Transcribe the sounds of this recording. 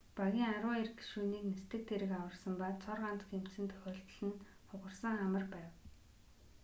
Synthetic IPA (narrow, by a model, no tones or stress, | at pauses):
paɣʲiːŋaɾʊːerɡʃuːniːknest̪ɘ̆k̚t̪ʰeɾɘ̆kawə̆rsə̆mpat̪t͡sʰɔrʁant̪xem̥t̪sɘ̆nt̪ʰœ̥xʲɔːɮt̪̆ɮɘ̆n | χʊʁə̆rsə̆ŋamə̆rpæːw